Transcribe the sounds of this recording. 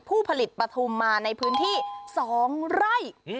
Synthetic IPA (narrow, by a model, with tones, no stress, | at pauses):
pʰuː˥˩pʰa˧li˨˩t̪̚pɾa˧t̪ʰu˧mːaː˧na˧jpʰɯː˦˥nt̪ʰiː˥˩sɔː˩˦ŋɾa˥˩j